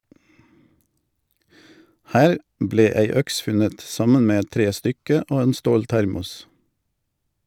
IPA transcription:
ˈhæːɾ ˈbleː ˈæɪ ˈœks ˈfʉnət ˈsɑmən ˈmeː ˈɛt ˈtɾeːˌstʏkə ˈoː ˈeːn ˈstoːlˌtæɾmʊs

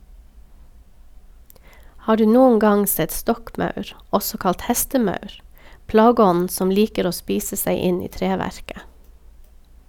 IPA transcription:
ˈhɑː ˈɖʉː ˈnuːən ˈɡɑŋ ˈsɛt ˈstɔkˌmɑʉɾ ˈɔsɔ ˈkɑlt ˈhæstəˌmɑʉɾ ˈplɑːɡəˌɔnn̩ ˈsɔm ˈliːkəɾ ˈoː ˈspiːsə ˈsæɪ ˈɪn ˈiː ˈtɾeːˌʋæɾkə

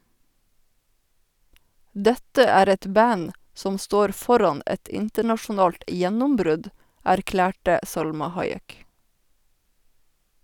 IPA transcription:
ˈdɛtə ˈæːɾ ˈɛt ˈbæn ˈsɔm ˈstoːɾ ˈfɔɾɑn ˈɛt ˈɪntəɳɑʃʊˌnɑːlt ə ˈjɛnʊmˌbɾʉd æɾˈklæːʈə ˈsɑlmɑ ˈhɑɪˌɛk

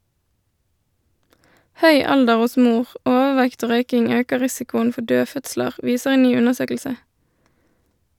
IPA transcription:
ˈhœʏ ˈɑldəʁ ˈʊs ˈmuːʁ ˈʔoːʋəˌʋɛkt ˈoː ˈʁœʏkɪŋ ˈøːkə ˈʁɪsɪkʊən ˈfɔ ˈdøːˌfœtsləʁ ˈʋiːsəʁ ˈeːn ˈnyː ˈʉnəʁˌsøːkl̩sə

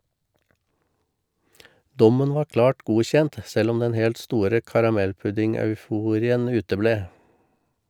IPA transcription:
ˈdɔmən ˈʋɑːɾ ˈklɑːʈ ˈɡuːçɛnt ˈsɛl ˈɔm ˈdɛn ˈhɛlt ˈstuːɾə kɑɾɑˈmɛlˌpʉdɪŋɑʉˌfuːɾɪən ˈʉːtəˌbleː

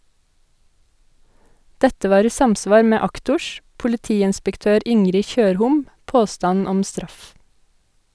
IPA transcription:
ˈdɛtə ˈʋɑːɾ ˈiː ˈsɑmˌsʋɑːɾ ˈmeː ˈɑktʊʃ pʊlɪˈtiːɪnspəkˌtøːɾ ˈɪŋɾɪ ˈçøːɾhʊm ˈpoːstɑn ˈɔm ˈstɾɑf

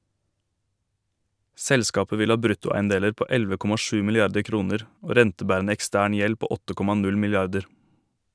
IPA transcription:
ˈsɛlskɑːpə ˈʋɪl ˈɑː ˈbɾʉtʊˌæɪənˌdeːləɾ ˈpoː ˈɛlʋə ˈkɔmɑ ˈʃʉː mɪlɪˈɑɾdə ˈkɾuːnəɾ ˈoː ˈɾɛntəˌbæːɾənə ɛkˈstæːɳ ˈjɛl ˈpoː ˈɔtə ˈkɔmɑ ˈnʉl mɪlɪˈɑɾdəɾ

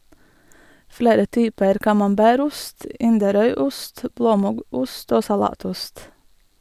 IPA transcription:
ˈfɽeːɾə ˈtyːpəɾ kɑmɑmˈbæːɾ ˈʊst ˈɪndəˌɾœʏˌʊst ˈbloːˌmʊɡuːst ˈoː sɑˈlɑːˌtʊst

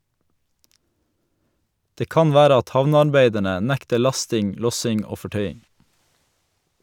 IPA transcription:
ˈdeː ˈkɑn ˈʋæːɾə ˈɑt ˈhɑʋnəɑɾˌbeɪdəɳə ˈnɛktə ˈɭɑstɪŋ ˈlɔsɪŋ ˈoː fɔˈʈœʏɪŋ

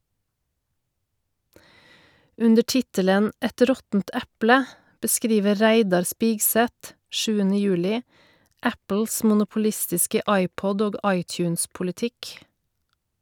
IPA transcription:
ˈʉndə ˈʈɪtələn ˈɛt ˈɾɔtn̩t ˈɛplə bəˈskɾiːʋə ˈɾæɪdɑɾ ˈspɪɡˌsɛt ˈʃʉːənə ˈjʉːlɪ ˈæpl̩s mʊnʊpʊˈlɪstɪskə ˈɑɪˌpɔd ˈoːɡ ˈɑɪˌtjʉːnspʊlɪˌtɪk

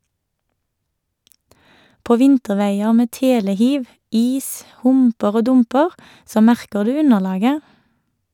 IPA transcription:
ˈpoː ˈʋɪntəˌʋeɪəʁ ˈmeː ˈteːləˌhiːʋ ˈiːs ˈhʊmpəʁ ˈoː ˈdʊmpəʁ ˈsoː ˈmæʁkə ˈdʉː ˈʉnəˌlɑːɡə

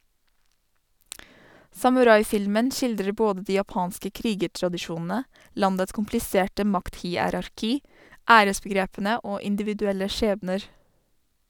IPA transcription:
sɑmʉˈɾɑɪˌfɪlmən ˈʃɪldɾə ˈboːdə ˈdiː jɑˈpɑːnskə ˈkɾiːɡəʈɾɑdɪˌʃuːnn̩ə ˈlɑndəts kʊmplɪˈseːʈə ˈmɑktˌhiːˌæɾɑɾˌkiː ˈæːɾəsbəˌɡɾeːpn̩ə ˈoː ɪndɪʋɪdʉˈɛlə ˈʃeːbnəɾ

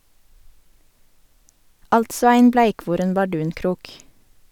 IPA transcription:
ˈɑltsɔ ˈæɪn ˈblæɪˌkʋuːɾɛn bɑˈɖʉːnˌkɾuːk

